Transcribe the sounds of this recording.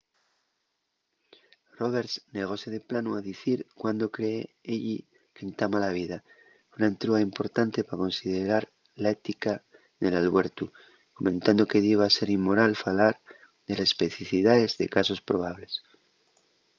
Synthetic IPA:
ro̞β̞e̞ɾsne̞ɣ̞o̞seðeplanuaðiθiɾkwand̪o̞kɾeːeʎi | ke̞nt̪amalaβ̞iða | unaent̪ɾuaimpo̞ɾt̪ant̪e̞pako̞nsiðeɾaɾ | lae̞t̪ika | ðe̞lalβe̞ɾt̪u | ko̞mẽ̞nt̪and̪o̞keðiβase̞ɾimːo̞ɾalfalaɾ | ðe̞lespeθiθiðaezðe̞̰kaso̞spɾo̞β̞aβ̞le̞s

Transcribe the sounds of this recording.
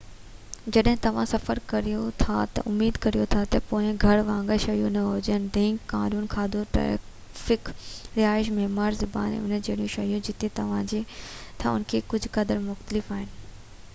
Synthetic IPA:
d͡ʑɐɗɦɪ̃t̪ɐʋ̤ãsɐfəɾkɐɾijot̪ʰa̰t̪ɐ̰ʔʊmːiːd̪kɐɾijot̪ʰat̪ɐpoːɪ̃ɡʱɐɽʋãːŋɡəʃɐɦjũnɐɦod͡ʑənɪ̆d̪ẽːŋɡkaːnuːnkʰaːd̪uʈɾɛ̰ː | fɪkɾɪaːɪʃ̬meɦmaːɾzʊba̰ːnḛʊnəd͡ʑeːɽijũʃɐɦijũd͡ʑɪt̪et̪ɐʋ̤ãd͡ʑet̪ʰãʊ̰nkʰekʊd͡ʑʱkɐd̪əɾmʊxt̪əlɪfaːɦɪnɪ̆

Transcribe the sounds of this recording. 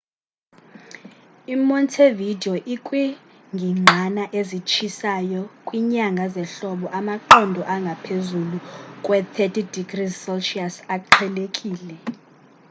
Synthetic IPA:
imɔntʰevidʱiɔʔikʼwi | ŋɡʱiŋ͡ǃʱanaʔezit͡ʃʰisajɔkʼwiɲaŋɡʱazɛɬɔɓɔʔamaǃɔndʱɔʔaŋɡʱapʰezulukʼwɛt̪ʰɛtʰʼidiɡrizsɔlʃiasakʼǃʰɛlekʼiːlɛ

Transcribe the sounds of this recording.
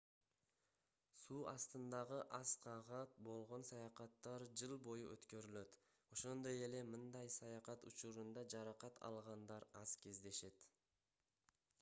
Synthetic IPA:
suːɑst̪ɯnd̪ɑʁɯʔɑsqʰɑʁɑt̪̚bo̞lˠʁo̞nsɑjɑqɑt̪ːɑɾd͡ʒɯlˠbo̞juʔøt̪kø̞ɾylø̞t̪ | o̞ʃo̞nd̪o̞je̞le̞mɯnd̪ɑjsɑjɑqɑt̪ṵt͡ʃuɾund̪ɑd͡ʒɑɾɑqɑt̪ʰɑ̰lˠʁɑnd̪ɑɾɑz̥ke̞zd̪e̞ʃe̞t̪

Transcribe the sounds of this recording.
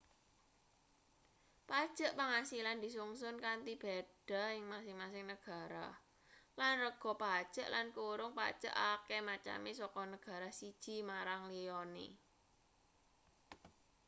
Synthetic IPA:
pad̥ʒ̥ə̤ʔpaŋasiland̪̥i̤suŋsʊnkant̪ib̥ɛd̥a̤ɪŋmasɪŋmasɪŋnəɡ̥a̤ɾa̰ | lanrəɡ̥ɔ̤pad̥ʒ̥ə̤ʔlankuɾʊŋpa̰d̥ʒ̥ə̰ʔakɛmat͡ʃa̰mesɔkɔnəɡ̥a̤ɾasid̥ʒ̥i̤maɾaŋlijɔnḭ

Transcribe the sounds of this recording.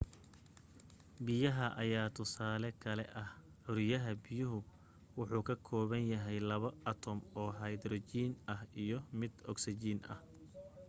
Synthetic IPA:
bɪjɐɦɐʔɐjaːt̪ʰʊsaːlɛkʰɐlɛ̰ʔɐh | ɔɾɪjɐɦɐbɪjʊɦʊ | wʊħuːkʰɐkʰɔːβɐnjɐɦɛjlɐβɐɐt̪ʰɔmɔːɦɐjd̪rɔt͡ʃiːnɐhijɔmɪd̪ɔksɪt͡ʃiːnɐ̰h

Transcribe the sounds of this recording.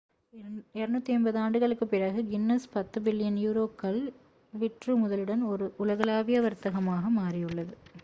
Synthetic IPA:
ɛɾɯnut̪ːiɐnbɐðɯaːɳɖɯɣɐɭɯkːɯpːɪɾɐɣɯɡɪnːɐspɐt̪ːɯbɪlːɪjɐnjuːɾoːkɐl | ʋɪʈrɯmʊðɐlɯɽɐnɔɾɯʔʊlɐɣɐlaːʋɪjɐʋɐɾt̪ɐɣɐmaːɣɐmaːrɪjɯɭːɐðɯ

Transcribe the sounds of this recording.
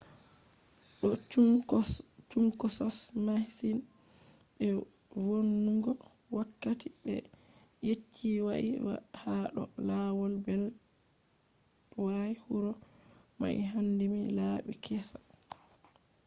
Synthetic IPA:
ɗɔ | t͡ʃuŋkɔsɔsmahsin | ɓɛ | wonːuɡɔ | wakːatiɛ̰ | jet͡ʃʰːiwaʔḭw̰haɗɔ̰lawɔlbɛl | wajhuɾɔ | ma̰ʔḭɦandimilaɓḭkʰɛsḁ

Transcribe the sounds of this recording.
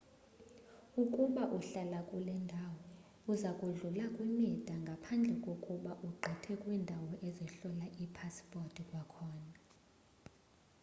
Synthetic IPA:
ukʼuɓaʔuɬalakʼulɛndʱawɔ | uzakʼuɮulakʼwimid̥ʱaŋɡʱapʰand͡ɮʱɛkʼokʼuɓaʔuɡ͡ǃʱɛtʰɛkʼwindʱawɔʔɛzɛɬɔlaʔipʰaspʼortʼikʼwakʰɔːna

